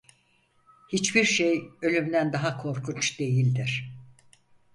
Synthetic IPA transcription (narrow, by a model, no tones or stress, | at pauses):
hit͡ʃbiɾʃejø̞lʲymd̪ænd̪aɦakʰo̞ɾkʰunt͡ʃd̪̥e̞jilʲd̪iɾ̥